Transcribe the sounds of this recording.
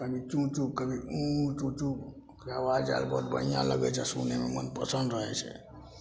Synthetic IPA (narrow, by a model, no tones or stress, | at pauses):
kəbʱit͡ʃũt͡ʃup̚kəbʱiũt͡ʃũt͡ʃũb | okɾeawad͡ʒd͡ʒa̰lbɔt̪̚bə̰ɦijã̰ləɡɛt͡ʃʰɛsṵnememə̰npəsənd̪ɾəɦɛt͡ʃʰɛ̰